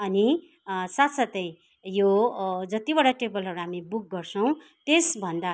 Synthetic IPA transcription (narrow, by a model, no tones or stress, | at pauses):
ʌni | sat̪sat̪ʌj | jod͡zʌt̪ibʌɽaʈebʌlɦʌɾuɦamibuk̚ɡʌrt͡sʰʌw̃ | t̪esbʱʌnd̪a